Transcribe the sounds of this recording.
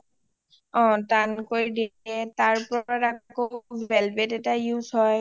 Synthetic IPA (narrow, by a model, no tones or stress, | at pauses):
ɔ̃tankoɹidiɛtaɹpɔaɹakoɛlbetɛtajuzɦɔj